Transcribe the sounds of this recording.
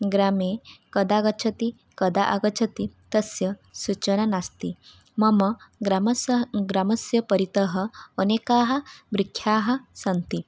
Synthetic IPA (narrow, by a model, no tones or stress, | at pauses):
ɡɾameːkɐd̪aɡɐt͡ʃʰɐt̪i | kɐd̪aʔaɡɐt͡ʃʰɐt̪it̪ɐsjɐsut͡ʃɐnanast̪i | mɐmɐɡɾamsɡɾamɐsjɐpɐɾit̪ɐɦɐːneːkaːɦɐ̆bɾikʰːjaːɦɐ̆sɐnt̪i